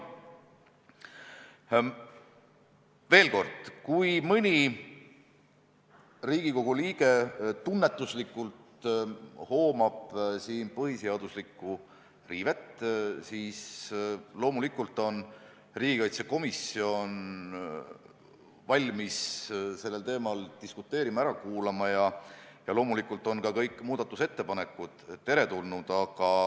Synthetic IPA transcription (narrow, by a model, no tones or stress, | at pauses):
ve̞ːlko̞rd̪̥kujmɤnʲi | riːɡ̥iko̞ɡ̥uliːɡ̥e̞t̪unːet̪ːˑuslikːˑult̪ | ho̞ːmɑb̥siːnpɤɦiseɑd̪̥uslikːˑu | riːvet̪siːs | lo̞ːmulikːˑult̪ːˑo̞n | riːɡ̥ikɑjt̪seko̞misio̞n | vɑlʲmisse̞lːe̞lt̪e̞ːmɑlt̪iskut̪ːˑe̞ːɾimɑæɾɑkuːlɑmɑjɑjɑlo̞ːmulikːˑult̪ːˑo̞nkɑkɤjkːˑmuːd̪̥ɑt̪ːˑuse̞t̪ːe̞pɑne̞kːˑud̪̥t̪ːe̞ɾe̞t̪ulnud̪̥ɑɡ̥ɑ